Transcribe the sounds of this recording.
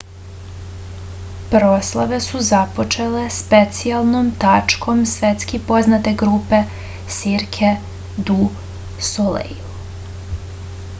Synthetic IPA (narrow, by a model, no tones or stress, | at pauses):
pɾoslˠaʋe̞suzapo̞t͡ʃele̞spet̪sialˠnomt̪at͡ʃkʰo̞msʋet̪skipo̞znat̪e̞ɡɾuːpe̞ | siɾkʰe | d̪u | solḛju